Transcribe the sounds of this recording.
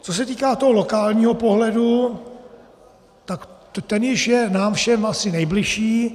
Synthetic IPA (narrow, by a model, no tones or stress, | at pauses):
t͡sos̬ɛt̪iːkaːt̪oɦolo̞kaːlɲiːɦo̞po̞ɦlɛdu | t̪ak̪ | t̪ɛnjɪʃjɛnaːmfʃɛmʔasɪnɛjblɪʃiː